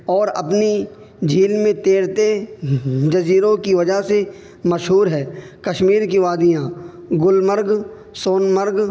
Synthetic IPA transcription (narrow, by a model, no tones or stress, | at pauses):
ɔːɾɐ̰pni | d͡ʒʱiːlmẽt̪eːɾt̪e | d͡ʒɐziːɾõkiʋɐd͡ʒəɦse | məʃɦuːɾɦɛː | kɐʃmiːɾkiʋaːd̪ijãɡʊlməɾɡ | soːnməɾɡ